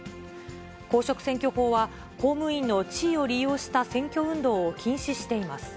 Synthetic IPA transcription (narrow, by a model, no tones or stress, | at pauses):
ko̞ːɕo̞kɯ̟̥sẽ̞ŋkʲo̞ho̞ːβa | ko̞ːmɯ̟ĩnːo̞t͡ɕiːo̞ɾʲijo̞ːɕi̥t̪asẽ̞ŋkʲo̞ɯ̟̃nd̪o̞ːokʲʰĩɰ̃ɕiɕi̥t̪e̞imasɨ̥